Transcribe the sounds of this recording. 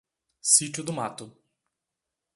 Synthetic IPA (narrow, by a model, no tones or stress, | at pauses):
sit͡ʃʊd̪ʊmat̪ʊ